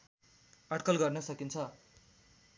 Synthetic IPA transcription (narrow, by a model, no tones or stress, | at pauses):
ʌʈkʌlɡʌrnʌsʌkint͡sʰʌ